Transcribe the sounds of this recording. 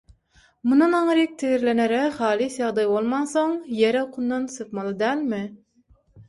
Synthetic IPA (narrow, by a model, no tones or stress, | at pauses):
munɑnɑŋɾik̚t̪ʰɪɣiɾleneɾɛχɑːlˠisjɑʁd̪ɑjbolˠmɑnsoŋjeɾɛoqʰunːɑnsɨp̪mɑlˠɯd̪æːlmɪ